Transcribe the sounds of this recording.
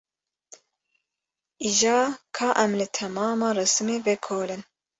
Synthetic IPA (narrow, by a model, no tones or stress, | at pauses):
ʔiʒɑːkʰɑːʔɛmlɨt̪ʰɛmɑːmɑːrɨsɨmeːvɛkʰoːlɨn